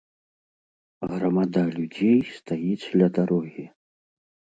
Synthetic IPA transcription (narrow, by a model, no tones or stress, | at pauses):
ɣɾɐmad̪alʲud͡zʲejst̪ajit͡s̪ʲlʲɐd̪aɾɔɣʲi